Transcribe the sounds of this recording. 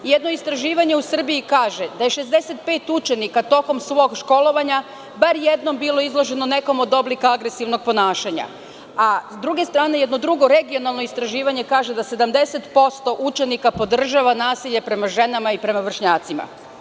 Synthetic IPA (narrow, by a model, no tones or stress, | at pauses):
jed̪no̞ist̪ɾaʒiːʋaɲe̞usr̩biikaːʒe̞d̪aje̞ʃe̞zd̪e̞se̞t̪̚pe̞ːt̪ut͡ʃe̞nikat̪o̞ko̞msʋo̞ːɡʃko̞lo̞ʋaɲa | baɾjed̪no̞mbilo̞izlˠo̞ʒe̞no̞ne̞ko̞mo̞d̪o̞blikaaɡɾe̞siʋno̞ɡ̚po̞naːʃaɲa̰ | asd̪ɾuɡe̞st̪ɾaːneje̞d̪no̞d̪ɾuɡo̞ɾe̞ɡio̞nalˠnoist̪ɾaʒiːʋaɲe̞kaːʒe̞d̪ase̞d̪amd̪e̞se̞t̪po̞st̪o̞ʔut͡ʃe̞nikapo̞d̪r̩ʒaʋanaːsiʎe̞pɾe̞maʒe̞namaipɾe̞maʋr̩ʃɲaːt̪sima̰